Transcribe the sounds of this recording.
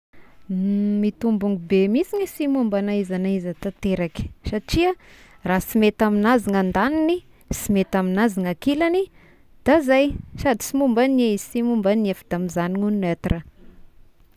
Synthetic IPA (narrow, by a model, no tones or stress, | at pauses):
mit̪umbuŋɡubemit͡sinisimumbanaizanaizat̪at̪eɾakʲi̥saʈ͡ʂia | rasimet̪aminaziŋand̪anini | simet̪aminaziŋakilani | d̪̥azajsad̪i̥simumbaneizsimumbanafid̪̥amizaniŋunnat̪ra